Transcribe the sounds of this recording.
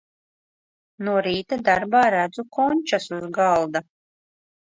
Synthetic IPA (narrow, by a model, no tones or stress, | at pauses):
nuɔɾiːt̪ad̪aɾbaːɾæd̪zukʰɔnʲt͡ʃasuzɡalˠd̪a